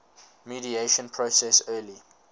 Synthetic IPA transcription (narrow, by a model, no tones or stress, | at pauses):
miɾieʃə̃npʰɹosɛsɜːli